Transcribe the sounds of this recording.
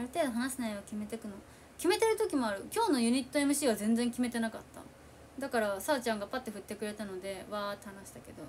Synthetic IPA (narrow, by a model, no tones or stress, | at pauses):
aɾɯ̟t̪e̞ːd̪oɦanaɕinaiβakʲime̞t̪ekɯ̟no̞ | kʲime̞t̪e̞ɾɯ̟t̪o̞kʲimo̞aɾɯ̟kʲo̞ːno̞jɯ̟ɲ̟it̪ːoe̞mɯ̟ɕiːβ̞azẽ̞nd͡zẽŋkʲime̞t̪e̞nakat̪ːa̰ | d̪akaɾasaːt͡ɕãŋɡapat̪ːe̞ɸɯ̟t̪ːe̞kɯ̟ɾe̞t̪ano̞d̪e̞βaːt̪ːohanaɕi̥t̪ake̞d̪o̞